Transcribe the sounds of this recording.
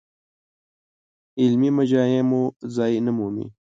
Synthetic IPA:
ɪlmimɐd͡ʑaːjẽmozaːinəmuːmḭ

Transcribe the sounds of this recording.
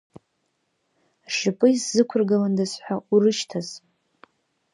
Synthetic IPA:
ʂɨpʼɨiszɨkʷʰʊrɡalandasħʷaurɨʃtʰaz

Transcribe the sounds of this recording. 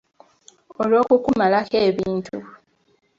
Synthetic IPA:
olo̞ːkukumalakeːβiːntu

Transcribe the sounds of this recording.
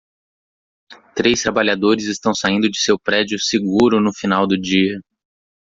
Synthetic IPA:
t̪ɾest̪ɾabaʎad̪oɾɪzɪst̪ɐ̃w̃saĩnd̪ʊd͡ʒɪsewpɾɛd͡ʒiʊseɡuɾʊnʊfinawd̪ʊd͡ʒiɐ

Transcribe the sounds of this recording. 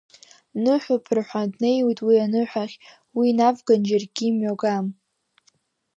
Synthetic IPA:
nɨħʷᶣapʰrħʷadne̞jwitʼwianɨħʷᶣaχʲ | winavɡand͡ʒarɡʲimɥaɡam

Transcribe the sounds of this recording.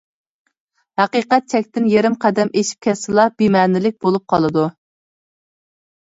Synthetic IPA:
hæqiqɛt̪̚t͡ʃʰɛkʲt̪ɪnjeɾɪmqʰæd̪ɛmeʃi̥p̚kʲʰɛsɨlˠɑb̥imɛːnɪlɪk̚ʲbolˠup̚qʰɑlˠɨd̪u

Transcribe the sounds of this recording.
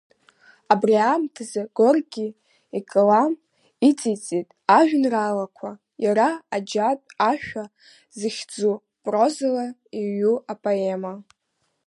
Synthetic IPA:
abriamtʰazaɡ̥orɡʲi | ikʼɨlam | it͡sʼit͡sʼitʼaʒᶣnralakʷʰa | jaɾaːd͡ʒapʼaʃᶣa | zɨχʲd͡zu | pʼro̞zɨlaiɥuapʼoema

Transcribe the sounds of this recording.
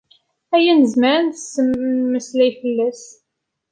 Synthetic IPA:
æjænəzməɾənθəsːəmːəslæjfəlːæs

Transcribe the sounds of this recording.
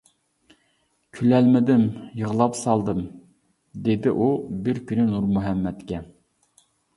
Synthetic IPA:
kʲʰylɛlmɪd̪ɪmjəʁlˠɑpsɑlˠd̪ɨm | d̪ed̪ɪʔubɪɾkʲynynuɾmuɦɛmːɛt̪kʲɛ

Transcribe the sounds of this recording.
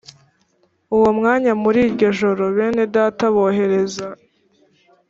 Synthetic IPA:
uwomŋaːɲamuɾiːɾɟo̞ʒo̞ɾo̞βeːne̞daːtaβo̞ɦe̞ɾe̞za

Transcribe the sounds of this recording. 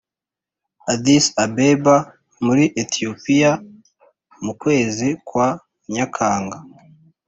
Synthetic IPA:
adisabeba | muɾiʔetiopija | mukwe̞ːzikwa | ɲakʰaːŋɡa

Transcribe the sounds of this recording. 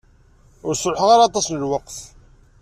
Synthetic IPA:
ʊɾsɾħʁaɾɑt̪ˤɑsnəlwəqθ

